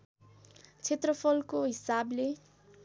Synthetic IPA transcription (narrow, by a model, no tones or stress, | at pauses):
t͡sʰet̪rʌpʰʌlkoɦisable